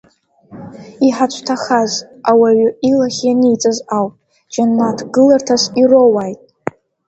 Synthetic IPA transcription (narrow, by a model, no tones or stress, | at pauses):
iħat͡ʃʷʰtʰaχaz | awaɥʏilaχʲjanijt͡sʼazawpʼ | d͡ʒanːatʰɡɨlartʰasirowajtʼ